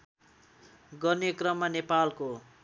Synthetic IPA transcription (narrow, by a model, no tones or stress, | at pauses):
ɡʌrnekrʌmːanepalko